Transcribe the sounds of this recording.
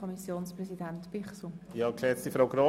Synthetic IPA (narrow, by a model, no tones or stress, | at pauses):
ɔmisjoːnsprɛzidɛntb̥ɪχsujɑːklɛt͡st̪ifɾawɡɾo